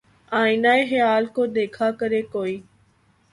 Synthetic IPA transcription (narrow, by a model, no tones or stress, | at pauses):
aːɪnaːexɪjaːlkoːd̪eːkʰaːkəɾeːkoːiː